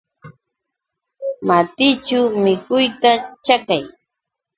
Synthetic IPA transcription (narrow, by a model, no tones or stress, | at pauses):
mat̪ɪt͡ʃʊmɪkʊjt̪at͡ʃakaj